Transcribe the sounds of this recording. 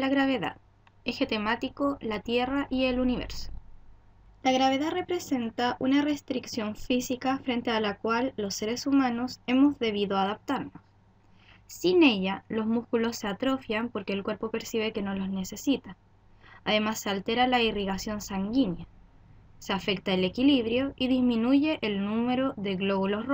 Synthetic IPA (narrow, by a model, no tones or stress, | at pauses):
laɣɾaβ̞e̞ða̰ð | exe̞t̪emat̪ikolat̪je̞raʔie̞luniβḛɾso̥ | laɣɾaβe̞ðare̞pɾe̞se̞nt̪aʔunare̞st̪ɾiksjo̞ɱfisikafɾe̞nt̪ealakwalːo̞sːe̞ɾe̞sumano̞se̞mo̞zðe̞β̞iðoaðap̚t̪aɾnos | sine̞ʝalo̞zmuskulo̞sːe̞at̪ɾo̞fjampo̞ɾke̞ːlkwe̞ɾpo̞pe̞ɾsiβ̞e̞ke̞no̞lo̞znese̞sit̪a | aðe̞masːealt̪e̞ɾalairiɣasjo̞nsaŋɡinja | seafe̞k̚t̪aele̞kiliβ̞ɾjo̞ʔiðizminuʝe̞ʔelnume̞ɾoðe̞ɣlo̞βulo̞sr